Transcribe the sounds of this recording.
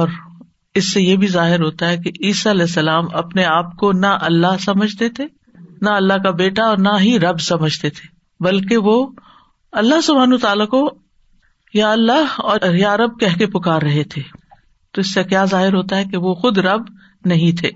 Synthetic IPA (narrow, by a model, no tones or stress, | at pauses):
ɔːɾ | ɪsːejebʱizaːɦɪɾɦoːt̪aɦɛkeʔiːsaɐlɛːsːɐlaːmɐpneaːp̚konɐʔɐlːaɦsɐməd͡ʒʱt̪et̪ʰeː | naɐlːaɦkabeːʈaɔːɾnɐɦiɾɐbsɐməd͡ʒʱt̪et̪ʰe̥ː | bɐlkeʋo | ɐlːaɦsʊbʱaːnat̪aːlako | jaːɐlːaɦɔːjaːɾɐb̚kɛɦkepʊkaːɾːɐɦet̪ʰeː | t̪oɪsːekjaːzaːɦɪɾɦoːt̪aɦɛkeʋoxʊd̪ɾɐb | nɐɦĩt̪ʰeː